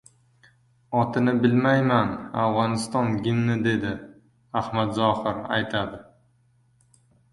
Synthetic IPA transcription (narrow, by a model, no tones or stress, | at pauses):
ɒt̪ʰɪnɪbɪlmajmanawʁɒnɪst̪ɒnɡʲɪmnɪd̪e̞d̪ɪ | ahmat̪zɒhɪɾa̰jt̪ʰad̪ɪ